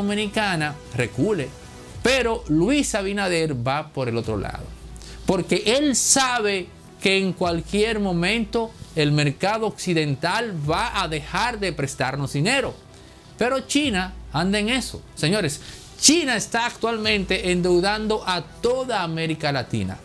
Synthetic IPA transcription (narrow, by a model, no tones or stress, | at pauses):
omĩnikana | rekule | peɾo̞lwisaβinaðeɾbapo̞ɾe̞lo̞t̪ɾo̞̰la̰ðo̞̰ | po̞ɾke̞ʔelsaβe̞ | keːŋkwalkje̞ɾmõ̞mẽ̞nt̪o̞elme̞ɾkaðo̞ːksiðe̞nt̪alβaʔaðe̞xaɾðepɾe̞st̪aɾno̞zðine̞ɾo̞ | pe̞ɾo̞t͡ʃinaand̪eŋe̞so̰seɲo̞ɾes | t͡ʃinaest̪aːk̚t̪walmẽ̞nt̪e̞ʔend̪e̞wðand̪o̞ʔat̪o̞ðaːme̞ɾikalat̪ḭna̰